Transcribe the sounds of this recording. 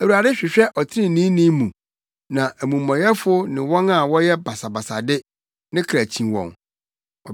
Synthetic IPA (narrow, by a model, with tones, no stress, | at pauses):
æ˨u˨a˨dɪ˦ɕᶣɪ˨ɕᶣɛ˦ʔɔ˨tʰɪ˦ɪ̃˦nĩ˦nĩ˦mũ˨ | nã˨æ˨mũ˨mːɔ̃˨jɛ˦fʊ˦nɪ̃˨wɔ̃˦na˦˨wɔ˦jɛ˦ba˨sa˨ba˨sa˨dɪ˦ | nɪ̃˦kʰɾæ˨t͡ɕʰĩ˨nwɔ̰̃˨n | ɔ˨